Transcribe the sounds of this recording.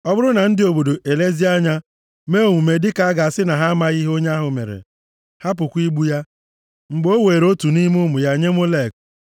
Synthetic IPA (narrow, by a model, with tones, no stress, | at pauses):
ɔ˦bʊ˦ɾʊ˦na˨n̩˦dɪ˦o˨bo˨do˨ʔe˨le˦zi˦a˦ɲa˦ | me˦o˨ŋʷu˨me˨dɪ˦ka˨a˦ɡa˨a˨sɪ˦na˨ɦa˦a˦ma˦ɣi˦ɦo˦ɲa˦a˦ɦʊ˨mḛ˨ɾḛ˨ | ha˦p̬ʊ˨kʷi˦ɡ͡bu˦ja˦ | ŋ͡m̩˨ɡ͡bo˦weː˨ɾo˦tu˨ni˦m˦ʊ˦mʊ˨ja˨ɲe˦mo˦le˦˨k̚